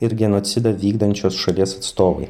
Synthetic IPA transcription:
ɪɾɡʲɛnoːt̪sʲɪd̪ɐʋʲiːɡd̪ɐnʲt͡ʃʲoːsʃɐlʲiɛsɐt̪st̪oːʋɐ̰ɪ

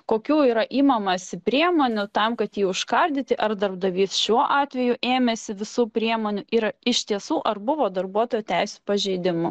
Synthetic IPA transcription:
koːkʲuːiːɾɐʔiːmɐmɐsʲɪpʲɾʲiɛmoːnʲʊt̪ɐmkɐt̪jiːʊʃkɐɾʲd̪ʲɪt̪ʲɪʔɐrd̪ɐrb̚d̪ɐʋʲiːsʃʲuɔʔɑːt̪ʲʋʲɛjʊʔeːmʲɛsʲɪʋʲɪsuːpʲɾʲiɛmoːnʲʊʔiːɾɐɪʃʲt̪ʲiɛsuːʔɐrbʊʋoːd̪ɐrbuɔt̪oːjuːt̪ʲɛɪsʲuːpɐʒʲɛɪd̪ʲɪmʊ

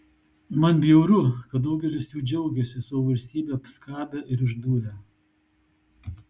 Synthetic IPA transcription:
mɐnbʲɛʊɾʊkɐt̪̚d̪ɐʊɡʲɛlʲɪsjuːd͡ʒʲɛʊɡʲɛsʲɪsoːʋɐlʲsʲt̪ʲiːbʲeːɐpskɑːbʲɛʔɪɾɪʒd̪uːɾʲɛ

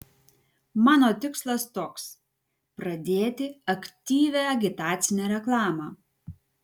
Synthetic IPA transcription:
mɑːnoːt̪ʲɪkslˠɐst̪oːks | pɾɐd̪ʲeːt̪ʲɪɐkt̪ʲiːʋʲæɐɡʲɪt̪ɑːt̪sʲɪnʲɛːɾʲɛklˠɑːmɑː

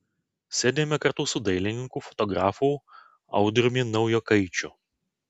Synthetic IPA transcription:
sʲɛːd̪ʲeːmʲɛkɐɾt̪uːsʊd̪ɐɪlʲɪnʲɪŋkuːfɔ̥t̪ɔɡɾɑːfuːˑ | ɐ̰ʊd̪ɾʲmʲiːnɒʊjoːkɐɪt͡ʃʲʊ

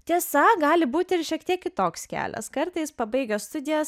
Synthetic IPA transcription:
t̪ʲiɛsɐɡɑːlʲɪbuːt̪ʲɪɪɾʃʲiɛkt̪ʲiɛkkʲɪt̪oːkskʲæ̰ːlʲɛ̰skɐɾt̪ɐɪspɐbɐɪɡɐst̪ʊd̪ʲɪjɛs

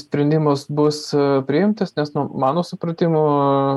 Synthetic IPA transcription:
sʲpʲɾʲɛnʲd̪ʲɪmɐsbʊspʲɾʲɪɪmt̪ɐsnʲɛsnʊmɑːnoːsʊpɾɐt̪ʲɪmoː

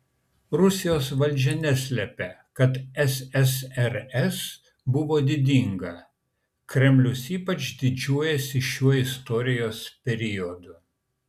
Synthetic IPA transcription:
ɾʊsʲɪjoːsʋɐlʲˑd͡ʒʲɛnʲɛsʲlʲɛpʲɛkɐt̪ɛsɛsɛɾɛs | bʊʋoːd̪ʲɪd̪ʲiˑŋɡɐ | kɾʲɛmʲlʲʊsiːpɐt͡ʃd̪ʲɪd͡ʒʲuɔjɛsʲɪʃʲuɔɪst̪ɔɾʲɪjoːspʲɛɾʲɪjɔd̪ʊ

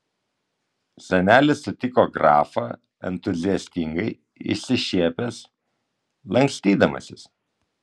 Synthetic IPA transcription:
sʲɛnʲæːlʲɪsːʊt̪ʲɪkoːɡɾɑ̰ːfɐ | ɛ̰nt̪ʊzʲɪɛsʲt̪ʲɪŋɡɐɪ | ɪ̰sʲɪʃʲiɛpʲɛs | lˠɐŋʲksʲt̪ʲiːd̪ɐmɐ̰sʲɪs

